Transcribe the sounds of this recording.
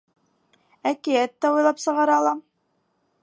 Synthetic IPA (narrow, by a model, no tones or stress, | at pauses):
ækɘjæt̪ːæujlˠɑpsɤ̆ʁɑɾɑlˠɑ